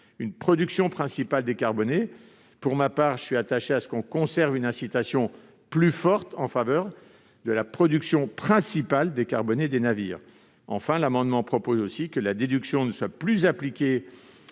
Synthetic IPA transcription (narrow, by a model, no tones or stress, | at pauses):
ynpχɔd̪yksjɔ̃pχɛ̃sipald̪ekaʁbɔne | puʁmapaːʁʒəsɥiat̪aʃeasə̥kɔ̃kɔ̃sɛʁvynɛ̃sit̪asjɔ̃ | plyfɔʁt̪ɑ̃favœːʁ | d̪əlapχɔd̪yksjɔ̃pχɛ̃sipald̪ekaʁbɔned̪enavḭːʁ | ɑ̃fɛ̃lamɑ̃d̪mɑ̃pχɔpozosikəlad̪ed̪yksjɔ̃nəswaplyzaplikʲe